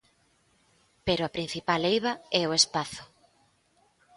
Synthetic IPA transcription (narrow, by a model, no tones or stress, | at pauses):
peɾʊapɾin̟θipalejβɐɛoespaθʊ̥